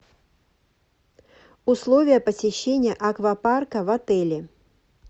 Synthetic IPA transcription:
ʊslˠovʲɪjəpəsʲɪɕːenʲɪjəʔɐkvɐparkəvɐt̪ɛlʲɪ

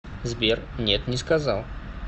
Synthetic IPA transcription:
zbʲernʲet̪nʲɪskɐzalˠ

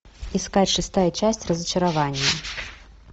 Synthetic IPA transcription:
iskat͡sʲʂɨst̪ajɐt͡ʃasʲt͡sʲrɐzɐt͡ʃɐɾavanʲjɐ

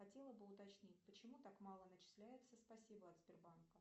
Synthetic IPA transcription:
xɐtʲe̞lˠəbɨʊt̪ɐt͡ɕnʲit̚ʲpət͡ɕɪmut̪akmɑlˠənət͡ɕɪ̥slʲæjɪt̪səspɐsʲibəɐt̪sʲbʲɪrbankə

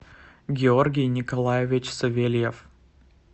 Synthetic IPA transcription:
ɡʲɪo̞rɡʲɪjnʲɪkɐlˠajɪvʲɪt͡ɕsɐvʲelʲjef

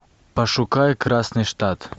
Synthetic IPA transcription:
pɐʂʊkajkɾasnɨʂt̪at̪

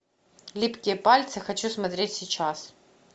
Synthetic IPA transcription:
lʲipkʲɪjəpalʲt̪sɨxɐt͡ɕusmɐt̪ɾʲetʲsʲɪt͡ɕas

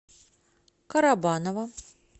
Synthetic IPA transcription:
kɐɾabanɐvɐ

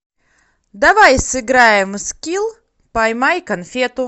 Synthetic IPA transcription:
d̪avajsɨɡɾæːjmɨskʲilˠ | pajmajkanfʲiɛt̪u

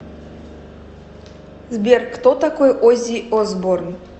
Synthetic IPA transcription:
zbʲerkt̪ot̪akojʔozʲiʔozboɾn

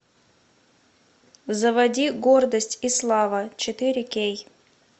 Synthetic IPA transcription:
zəvɐdʲiɡo̞rd̪əsʲtʲislˠavət͡ɕɪt̪ɨɾʲɪkʲej

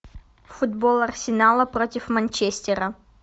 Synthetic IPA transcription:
fʊd̪bolˠɐrsʲɪnalˠəpɾotʲɪfmɐnʲt͡ɕesʲtʲɪɾə

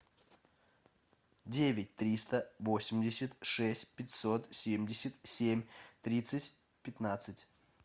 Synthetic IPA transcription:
dʲevʲɪt̚ʲt̪ɾʲist̪əvosʲɪmʲdʲɪsʲət̪ʲʂɛsʲtʲpʲɪtʲsot̪sʲemʲdʲɪsʲət̪ʲsʲemʲt̪ɾʲit̪sɨtʲ | pʲɪt̪nat̪sɨtʲ

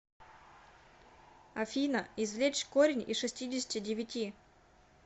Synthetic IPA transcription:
ɐfʲinəɪzvlʲet͡ɕkoɾʲɪnʲiʂɨsʲtʲidʲɪsʲɪ̥tʲɪdʲɪvʲɪtʲi

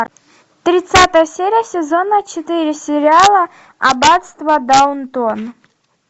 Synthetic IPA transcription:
t̪ɾʲɪt̪sat̪əjəsʲeɾʲɪjəsʲɪzonət͡ʃɪt̪ɨɾʲɪsʲɪɾʲɪalˠə | a̰bat̪st̪vɐd̪ant̪ɔn

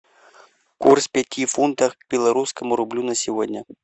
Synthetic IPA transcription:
kurspʲɛtʲifunt̪əxkbʲɪlˠɐɾuskəmʊɾʊblʲunəsʲɪvodʲnʲə

